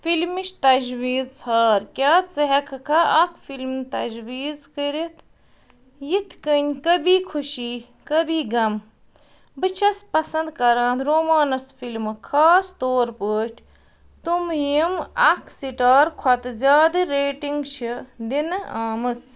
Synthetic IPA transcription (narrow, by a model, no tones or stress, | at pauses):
filmiʃt̪ɐd͡ʒwiːzsʰaːɾkʲjaːt̪t͡sɐɦɐkʰɐkʰɐɐkʰfilmnt̪ɐd͡ʒwiːzkəɾit̪ʰ | jit̪ʰkənʲkɐbiːkʰuʃiː | kəbiːɡɐm | bɨt͡ʃʰɐspɐsɐnd̪kɐɾãːnt̪ɾoːmaːnɐsfilmɨkʰaːst̪oːɾpəːʈʰʲ | t̪umjimɐkʰsiʈaːɾkʰɐt̪ɨzʲjaːd̪ɨɾeːʈiŋɡt͡ʃʰid̪inɨaːmɨt͡s